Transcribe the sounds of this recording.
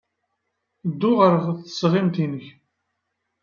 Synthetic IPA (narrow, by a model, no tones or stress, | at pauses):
d̪ːʊʁəɾəʁθə̥sʁɪmt̪inəç